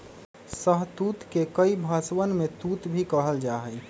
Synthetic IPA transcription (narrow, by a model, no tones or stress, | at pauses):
səɦt̪uːt̪kekəibʱaːswənmẽt̪uːt̪bʱikəɦəld͡ʒaːɦəi